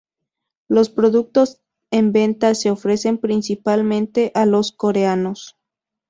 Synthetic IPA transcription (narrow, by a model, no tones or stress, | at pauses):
lo̞spɾo̞ðuk̚t̪o̞s | e̞mbẽ̞nt̪ase̞ofɾe̞se̞mpɾinsipalmẽ̞nt̪e̞ʔalo̞sko̞ɾeano̞s